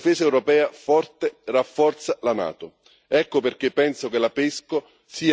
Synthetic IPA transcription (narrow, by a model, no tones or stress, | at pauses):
fɛːsaɛwɾopɛːafɔrt̪erafːɔrt̪salana̰ːt̪ʊ | ɛkːoperk̟epːɛnsokelapesko | siː